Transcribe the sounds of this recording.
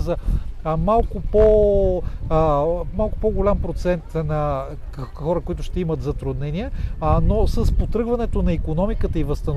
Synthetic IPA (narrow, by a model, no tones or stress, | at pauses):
zɐmalˠkʊpo | malˠkʊpoɡolʲampɾot̪sɛnt̪nɐ | xɔɾəkoit̪ʊʃt̪ɛimɐt̪zɐt̪ɾud̪nɛnʲijənosəspot̪ɾɤɡvɐnɛt̪onɐikonɔmikət̪əivəst̪ɐn